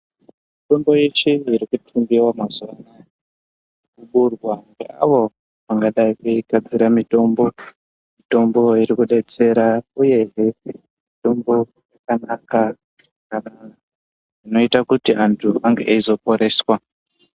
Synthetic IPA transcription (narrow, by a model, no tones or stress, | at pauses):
mito̞mbo̞et͡ʃiiɾikutʰumbiwamazuana | kuɓurwaŋɡḛa̰ʋo̞ | ʋaŋɡaɗaikuiɡad͡ziɾamito̞mbo̞ | mito̞mbo̞iɾikuɗe̞t͡se̞ɾauje̞ɦe | mito̞mbo̞ | jakanaka | kana | ino̞itakutiʔantʰuaŋɡḛʔeizo̞po̞ɾe̞ːswa